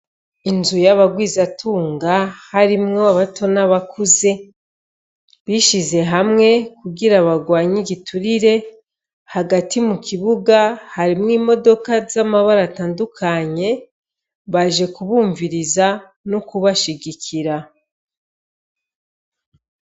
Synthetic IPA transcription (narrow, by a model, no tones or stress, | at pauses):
inzujaβaɡwiːzatʰuːŋɡahaɾimŋo̞aβato̞naβakuze̞ | βiʃize̞ɦamŋe̞kuɡiɾaβaɡwaːɲiɡitʰuɾiɾe̞ | haɡatʰimukʰiβuɡahaɾimŋiːmo̞do̞kazamaβaɾataːndukʰaɲe̞ | βaʒe̞kuβuːɱviɾiza | nokuβaʃiɡikʰiɾa